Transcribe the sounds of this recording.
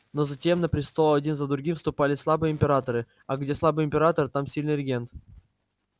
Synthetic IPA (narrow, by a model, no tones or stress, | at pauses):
nozɐtʲe̞mnəpɾʲɪst̪olˠɐdʲinzəd̪ɾʊɡʲimfst̪ʊpalʲɪslˠabɨjəɪmʲpʲɪɾat̪əɾɨ | aɡdʲe̞slˠabɨəɪmʲpʲɪɾat̪əɾɨt̪amsʲilʲnɨrʲɪɡʲent̪